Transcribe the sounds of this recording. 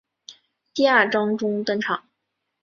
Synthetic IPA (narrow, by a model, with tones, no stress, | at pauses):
t̪i˥˧a˥˩ʈ͡ʂɑ˥ŋʈ͡ʂʊ˥ŋt̪ɤ˥˧ŋʈ͡ʂʰɑ˨˩˦ŋ